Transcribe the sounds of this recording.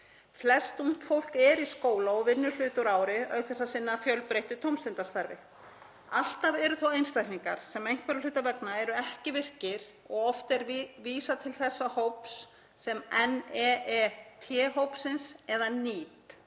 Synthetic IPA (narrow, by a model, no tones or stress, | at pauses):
flɛst̪un̥t̪fowl̥kɛɾiskoːwlaɔɣvɪnːʏlʏːt̪ʏɾaːwɾɪœɥkθɛsːasɪnːafjœlpɾejht̪ʏt̪ʰowmst̪ɪnt̪ast̪aɾvɪ | al̥t̪avɛɾʏθowejnst̪ajkniŋka̰ɾ̥sɛmejŋ̥kvpɛɾʏlʏːt̪avɛknaɛɾʏɛhcɪvɪr̥cɪɾ̥ | ɔɣɔft̪ɛɾviːsat̪ʰɪlθɛsːahowpsː | ɛmɛnɛɛt̪ʰjɛːɦowpsɪnsɛðaniːt̪